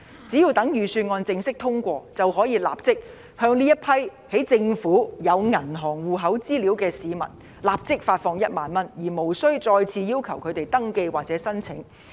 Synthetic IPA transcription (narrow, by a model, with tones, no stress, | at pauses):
t͡siː˨˥ji˧wt̪ɐ˨˥ŋjyː˨˩syː˧nŋɔː˧nt͡sɪ˧ŋsɪ˥k̚t̪ʰʊ˥ŋkʷɔː˧t͡sɐ˨wɦɔː˨˥jiː˨˧la̰ː˨p̚t͡sɪ˥k̚ | hœː˧ŋliː˥jɐ˥t̚pʰɐ˥jhe˨˥jt͡sɪ˧ŋfuː˨˥jɐ˨˧wŋɐ˨˩nɦɔː˨˩ŋwuː˨ɦɐ˨˥wt͡siː˥liː˨˥wkɛː˧siː˨˧mɐ̰˨˩n | laː˨p̚t͡sɪ˥k̚faː˧tfɔː˧ŋjɐ˥t̚maː˨˧nmɐ˥njiː˨˩mo˨˩wsɵ˥ɥt͡sɔː˧jt͡sʰiː˧jiː˥wkʰɐ˨˩wkʰɵ˨˧ɥt̪e˨jt̪ɐ˥ŋke˧jwaː˨k̚t͡sɛː˨˥sɐ˥nt͡sʰɪ˨˥ŋ